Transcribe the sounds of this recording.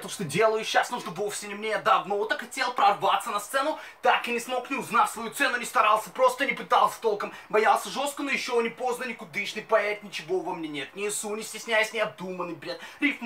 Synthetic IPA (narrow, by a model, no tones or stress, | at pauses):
t̪oʂt̪odʲe̞lˠəjʊɕːasnuʐnəvofsʲɪnʲɪmnʲeɐd̪ɐbnɐot̪əxɐtʲe̞lˠpɾɐrvat̪sənɐst̪sɛnʊ | t̪akɪnʲɪsmo̞knʲɪʊznatʲsvɐjut̪sɛnʊnʲɪst̪ɐɾalˠsʲəpɾo̞st̪ənʲɪpɨt̪alˠsʲə̥t̪o̞lˠkəmbɐjalˠsʲəʐo̞st̪kənojɪɕːonʲɪpo̞znənʲɪkʊd̪ɨʂnɨpɐeɾʲɪt̪ʲnʲɪt͡ɕɪvovɐmnʲenʲet̪nʲɪːsunʲɪsʲtʲɪsʲnʲæjəsʲnʲɪɐb̚d̪umənɨjbɾʲet̪ɾʲif